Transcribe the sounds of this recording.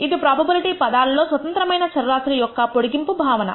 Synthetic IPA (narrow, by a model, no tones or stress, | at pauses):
id̪ipɾaːbʱɐbiliʈiːpɐd̪aːlɐlːo̞ːsʋɐt̪ɐnt̪ɾɐmɐjnɐt͡ʃɐɾɐɾaːt̪ɾijɔkːɐpoɽuɡimpubʱaːʋɐnɐ̰